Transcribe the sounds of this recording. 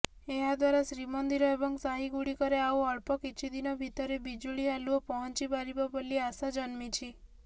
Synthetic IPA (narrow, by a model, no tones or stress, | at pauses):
eɦad̪waɾasɾimɔnd̪iɾɔebɔŋsaɦiɡuɽikɔɾeauɔɭpɔkit͡ʃʰid̪inɔbʱit̪ɔɾebid͡ʒuɭialuɔpɔɦɔnt͡ʃibaɾibɔbɔlːiasad͡ʒɔnmit͡ʃʰi